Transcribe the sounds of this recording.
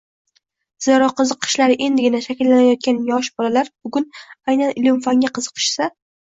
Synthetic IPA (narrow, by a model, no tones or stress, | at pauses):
z̥eɾɒqʰɨzɨqʰːɨ̥ʃlaɾɪʔe̞nd̪ɪɡʲɪnaʃakʲɪlːanajɒt̪̚kʲanjɒʃbɒlalaɾbʊɡʲʊnajnanɪlɪmfaŋɡʲaqʰɨzɨ̥qʰɨ̥ʃsa